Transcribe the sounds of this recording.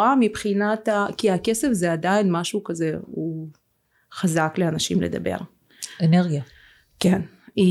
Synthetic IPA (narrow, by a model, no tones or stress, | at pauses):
amibχinat̪akiake̞se̞fzeadainmaʃukazeu | χazakleanaʃimled̪a̰bḛʁ | eneʁɡja | ken | i